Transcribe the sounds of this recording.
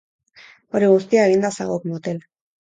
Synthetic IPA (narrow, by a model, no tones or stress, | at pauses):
o̞ɾiɣ̞ust̪iae̞ɣind̪asa̰ɣokmot̪el